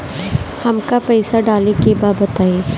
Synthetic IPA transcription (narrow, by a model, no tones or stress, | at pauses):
hɐmkapɛɪsaɖaːlekebaːbɐt̪aːeː